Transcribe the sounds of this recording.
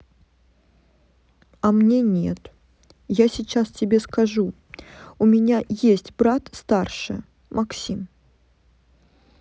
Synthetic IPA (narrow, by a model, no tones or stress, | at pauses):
ɐmnʲenʲḛt̪ | jasʲɪt͡ɕastʲɪbʲeskɐʐu | ʊmʲɪnʲajesʲtʲbɾat̪st̪arʂɨ̰ | mʔɐksʲim